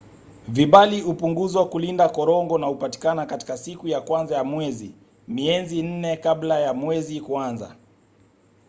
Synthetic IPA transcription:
viɓaliupuŋɡuzwakulindakɔɾɔŋɡɔnahupati̥kanakati̥kasikujakwanzajamwɛzḭ | miɛzin̩nɛkablajamwɛzikuanza̰

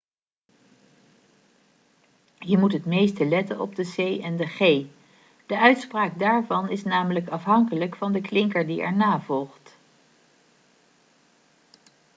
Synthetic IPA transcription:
ɦiɹmutɦətmejstəlɛtənɔ̰b̚dəzejɛndəχej | d̥əʔœɥtspraːk̚daːɹvɑnɪsnaːmələkɑfɦɑŋkələkfɑndəklɪŋkəɹdiɛ̰ɹnaːvɔlˠχt

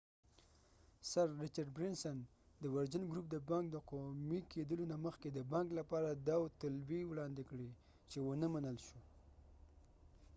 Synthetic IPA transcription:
saɾːɪt͡ʃaɖ̚bɾɪnsan | d̪əwaɾd͡ʒənɡɾup̚d̪əbɑŋk̚d̪əqomikʰed̪əlonaməxked̪əbɑŋklapɑɾad̪ɑwt̪ʊlbiwɽɑnd̪ɪkɽi | t͡ʃewənəmanəlʃo

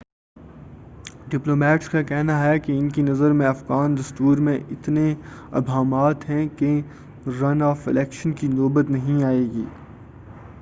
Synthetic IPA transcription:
ɖɪploːmɛːʈskakɛɦnaɦɛkeɪnkinɐzəɾmẽɐfɣaːndɐst̪uːɾmẽɪt̪neɐ̰bʱaːmaːt̪ɦɛ̃ke | ɾɐnɔːfɪ̰lɛːkʃənkinoːbət̪nɐɦĩaːeːɡḭː

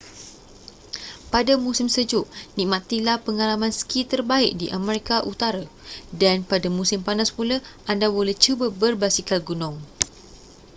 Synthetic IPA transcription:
padamũsɪmsəd͡ʒʊʔnĩʔmãt̪ilahpəŋalamãnsə̥kʰit̪ərbaɪʔ̚diʔamɛ̃ɾikaʔut̪aɾadanpadamũsɪmpanaspulaʔandabolɛht͡ʃubəbərbasikalɡunɔ̃ŋ

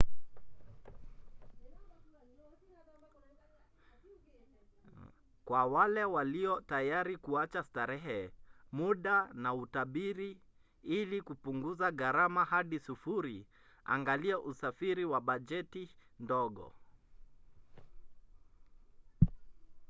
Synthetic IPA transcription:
kwawalɛwaliɔtajaɾikuat͡ʃastaɾɛɦɛmuɗanautaɓiɾi | ilikupuŋɡuzaɣaɾamahaɗisufuɾi | a̰ŋɡaliɛʔusafiɾiwaɓad͡ʒɛtindɔɠɔ̰

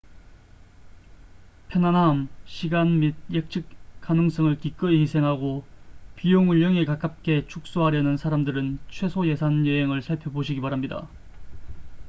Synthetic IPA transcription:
pʰjʌnɦanamɕʰiɡanmid̚jek̚t͡ɕʰɯk̚k͈anɯŋs͈ʌŋɯɭkik͈ɯisʰe̞ŋɦaɡopijoŋuʎːʌŋekak͈ap̚k͈e̞t͡ɕʰuk̚s͈oɦaɾjʌnɯnsʰaɾamdɯɾɯnt͡ɕʰwe̞sʰoje̞sʰanjeɦeŋɯɭsʰaɭpʰjʌboɕʰiɡibaɾamɲida̰

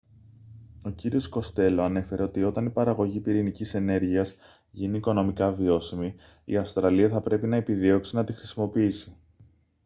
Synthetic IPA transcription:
o̞ciɾio̞sko̞st̪e̞lo̞ɐne̞fe̞ɾeo̞t̪io̞t̪ɐnipɐɾɐɣo̞ʝipiɾinicise̞ne̞ɾʝiɐz | ʝiniːko̞no̞mikɐvio̞simi | ḭɐfst̪ɾɐliɐθɐpɾe̞pinɐe̞piðio̞ksinɐt̪ixɾisimo̞piisi̥

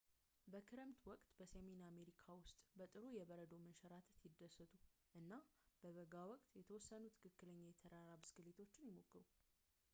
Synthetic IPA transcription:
bəkʰɨɾɨmt̪wɔkʼt̪bəsəmename̞ɾikʰawʊst̪ʼbət̪ʼɨɾujɛβəɾəd̪o̞mənʃəɾat̪ʰət̪jɪd̪ːəsːət̪ʼu | ʔɨnːab̥əβəɡawɔkʼt̪jɛt̪ʰəwɔsːənut̪ʰɨ̥kʰɨkːɨləɲːajɛt̪ʰəɾaɾabɨsɡɨlet̪ʰo̞t͡ʃːɪnjɪmo̞kːɨɾu

